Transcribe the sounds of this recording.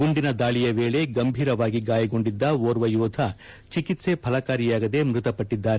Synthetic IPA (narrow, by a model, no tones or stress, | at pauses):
ɡuɳɖinɐd̪aːɭijɐʋeːɭe̞ɡɐmbʱiːɾɐʋaːɡiɡaːjɐɡo̞ɳɖid̪ːɐoɾʋɐjuːd̪ʱɐ | t͡ʃikit̪se̞pʰɐlɐkaːɾijaːɡɐd̪e̞mɾut̪ɐpɐʈːid̪ːaːɾe